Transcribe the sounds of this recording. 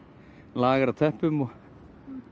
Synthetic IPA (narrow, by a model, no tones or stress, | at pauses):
laːɣaɾat̪ʰɛhpʏmɔ